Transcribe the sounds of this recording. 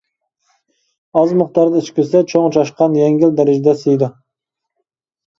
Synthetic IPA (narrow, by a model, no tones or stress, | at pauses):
ɒzmʊχt̪ɑɾd̪aɪt͡ʃkʲɪsat͡ʃʰoŋt͡ʃʰɑʃqɑnjaŋɡʲɪld̪aɾɪd͡ʒd̪asɪjd̪ɪ